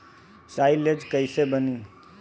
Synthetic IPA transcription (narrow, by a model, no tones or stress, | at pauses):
saɪled͡ʒkəɪsebəni